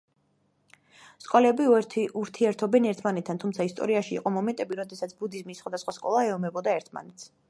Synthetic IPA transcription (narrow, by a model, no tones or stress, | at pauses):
skʼɔlɛbiɛuɾt̪ʰiɛɾt̪ʰɔbɛnɛɾt̪ʰmanɛt̪ʰːant̪ʰumt̪sʰaist̪ʼɔ̰ɾiaʃḭːqʼɔmɔmɛnt̪ʼɛbiɾɔd̪ɛsat̪sʰbud̪izmisːχwad̪asχwaskʼɔlˠaɛɔmɛbɔd̪aɛɾt̪ʰma̰nɛt̪sʰ